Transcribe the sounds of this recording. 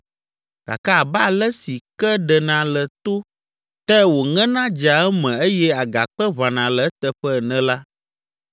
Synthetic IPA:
ka̰˨ka˦˨ba˦˨lɛ˦si˨kɛ˦ɖɛ˨nã˨lɛ˨t̪o˦ | t̪ɛ˦wo˨ŋɛ̃˦nã˦d͡ʒa˨ɛ˦mɛ̃˨e˦jɛ˦a˨ɡa̰˨k͡pɛ˦βa˨nã˨lɛ˨˦t̪ɛ˨ɸɛ˦˨nɛ̃˦la˦

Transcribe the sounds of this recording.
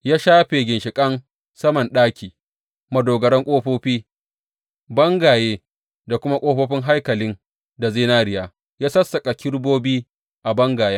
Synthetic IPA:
jaː˦ʃaː˦ɸe˨ɡʲɪ˨nʃɪ˨kʼɐ˦n | sɐ˦mɐ˨nɗaː˦kʲiː˨ | mɐ˨doː˨ɡɐ˨ɽɛ˦ŋkʷʼoː˦ɸoː˦ɸiː˦ | bɐ˦ŋɡaː˨jeː˦ | da˨kʷʊ˦ma˦kʷʼoː˦ɸoː˦ɸɪ˦ŋɦa˦jkɐ˨lɪ˦n | da˨zeː˦naː˦ɾɪ˦jaː˦ | jaː˦sɐ˦sːɐ˨kʼa˨kʲɪ˦ɽboː˦biː˦ | ʔa˨bɐ˦ŋɡaː˨ja˦

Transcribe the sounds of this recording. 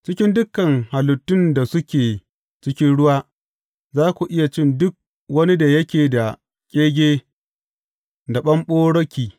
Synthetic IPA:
t͡ʃɪ˦kʲɪ˦ndʊ˦kːɐ˨ŋha˨lʊ˨tːʊ˦nda˨sʊ˦kʲeː˨ | t͡ʃɪ˦kʲɪ˦nɽʊ˦waː˦ | zaː˦kʷu˨ʔɪ˦ja˨t͡ʃɪ˦ndʊ˦k̚ | wɐ˦ni˦da˨jɐ˦kʲeː˨da˨ | kʲʼeː˦ɡʲeː˦ | da˨ɓɐ˦mɓoː˦ɽɐ˦kʲiː˨

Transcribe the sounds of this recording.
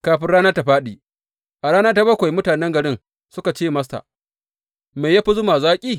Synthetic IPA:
kaː˨ɸɪ˦nɽaː˦nɐ˦ta˨ɸaː˦ɗiː˨ | ʔa˨ɽaː˦nɐ˦ta˦bɐ˦kʷa˨jmʊ˦taː˨nɛ˦ŋɡɐ˨ɽɪ˦n | sʊ˦ka˨t͡ʃeː˦mɐ˦sta̰˨ | me˨jaː˦ɸi˦zʊ˦maː˨zaː˦kʲʼiː˦

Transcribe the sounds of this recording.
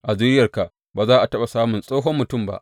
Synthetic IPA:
ʔa˨zɪ˦ɾɪ˦jɐ˨rka˨ʔ | baː˨zaː˦ʔa˨tɐ˦ɓa˨saː˦mʊ˨nsʼoː˦ɦɔ˦mːʊ˨tʊ˦˨mba̰˦ʔ

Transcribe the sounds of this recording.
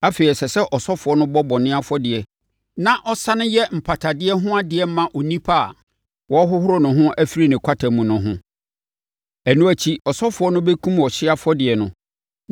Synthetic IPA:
a˦fe˨i˨sɛ˨sɛ˦ʔɔ˨sɔ˦fʊ˨ɔ˦nʊ̃˦bɔ˦bɔ̃˨nɪ̃˦a˦fɔ˦dɪ˨ɛ˨ | nã˦ʔɔ˦sã˦nʊ̃˦jɛ˦m̩˨pʰa˨tʰa˨dɪ˦ɛ˦ɦʊ̃˦a˦dɪ˨ɛ˦m˦mã˦ʔo˨nĩ˦pʰa˦a̰˨ | wɔ˦ɦʊ˦hʊ˦ɾɔ˦nʊ̃˨ɦʊ̃˦ʔæ˦fi˦ɾi˦nɪ̃˨kʷʰa˦tʰa˨mũ˨nʊ̃˨ɦʊ̃˦ | æ˨nũ˦æ˨t͡ɕʰi˦ɔ˨sɔ˦fʊ˨˦ɔ˦nʊ̃˦bɛ˦kʰũ˦m˨ɔ˨ɕɪ˦a˦fɔ˦dɪ˨ɛ˨nʊ̃˨

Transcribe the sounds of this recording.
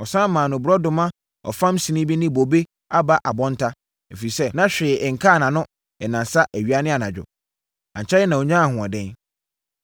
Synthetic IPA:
ɔ˨sãː˦mãː˨nʊ̃˨bʊ˨ɾɔ˦dʊ̃˨mã˦ | ɔ̰˨fã˦msi˨nĩ˦bi˦nɪ̃˦bo˨be˦ | a˦ba˦ʔa˨bɔ̃˦n˦tʰa˦ | e˨fe˨i˨sɛ˦nã˦ɕᶣɪː˨ŋ̩˨kʰa˦˨nã˨nʊ̃˦ | ɛ˨nã˨sa˦ʔæ˨ɥi˦a˦nɪ̃˦a˨nã˨d͡ʑᶣʊ̰˨ | ã˨ɲt͡ɕʰɛ˦ɪ˦nã˨o˨ɲãː˦a˦˨hʊ̃˨a˨dɛ̃˦n

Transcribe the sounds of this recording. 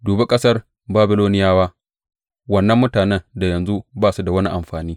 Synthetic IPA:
duː˨be˦kʼɐ˦sɐ˦r | baː˦bɪ˦loː˦nɪ˦jaː˦waː˦ | wɐ˦nːɐ˦mːʊ˦taː˨nɛ˦nda˨jɐ˨nzu˦baː˦su˦da˨wɐ˦ni˦ʔa˨mɸaː˨niː˦

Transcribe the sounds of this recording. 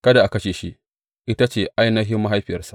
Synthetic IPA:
kɐ˦da˨ʔa˨kɐ˦ʃeː˨ʃi˦ʔ | ʔɪ˦ta˦t͡ʃeː˨ʔa˦jnɐ˦ɦɪ˦mːa˦ɦa˦jɸɪ˨jɐ̰˦rsḁ˨ʔ

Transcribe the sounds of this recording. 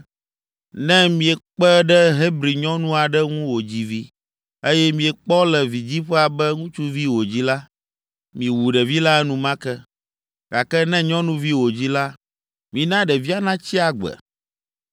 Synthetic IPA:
nɛ̃˦mĩ˨ɛ˨k͡pɛ˦ɖɛ˦ɦe˦bɾi˨ɲɔ̃˦nũ˦a˨ɖɛ˦ŋũ˦wo˨d͡ʑi˦vi˦ | e˦jɛ˦mĩ˨ɛ˨k͡pɔ˦lɛ˨vi˨d͡ʑi˦ɸɛ˦a˨bɛ˦ŋũ˦t͡ʃu˦vi˦wo˨d͡ʑi˦la˦ | mĩ˨wu˨ɖɛ˨vi˦la˦ɛ˦nũ˦mã˦kɛ˦ | ɡ̥a˨kɛ˦nɛ̃˦ɲɔ̃˦nũ˦vi˦wo˨d͡ʑi˦la˦ | mĩ˨nã˦ɖɛ˨vi˦a˦nã˦t͡ɕi˦a˨ɡ͡bɛ̰˨

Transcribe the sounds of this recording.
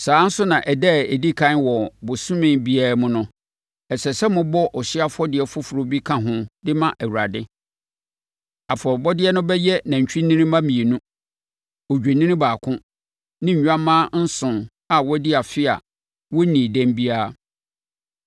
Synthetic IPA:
saː˨˦n̩˦sʊ˦nã˨ʔɛ˨dɛ˦˨e˨di˦kʰã˦nwɔ˨bʊ˨sʊ̃˦mɪ̃˦nbi˦aː˦mʊ̃˦nʊ̃˦ | ɛ˨sɛ˨sɛ˦mʊ̃˦bɔ˦ʔɔ˨ɕi˦a˦fɔ˦dɪ˨ɛ˨fʊ˦fʊ˨ɾo˦bi˦kʰã˦ɦʊ̃˦dɪ˦mã˦ʔæ˨wu˨ɾa˨dɪ˦ | a˨fɔ˨ɾbɔ˦dɪ˦ɛ˦nʊ̃˦bɛ˦jɛ˦nã˨ɲ̩˨t͡ɕᶣi˦nĩ˦nĩ˦mã˦mĩ˨e˨nũ˦ | o˨d͡ʑᶣi˨nĩ˦nɪ̃˦baː˨kʰʊ̃˦ | nɪ̃˦ɲ̩˨ɲᶣ˦ã˦mãː˦n̩˦sʊ̃˨n | a˨wɔ˦di˦a˨fɪ˦a̰˨ | wɔ˦nĩ˨dæ̃˦mbi˦aː˦˨

